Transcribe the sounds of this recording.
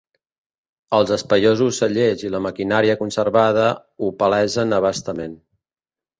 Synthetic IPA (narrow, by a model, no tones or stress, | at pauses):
əlˠzəspəjozusːəʎeziləməkinaɾiəkunsəɾβað̞ə | upəlɛzənəβ̞ast̪əmen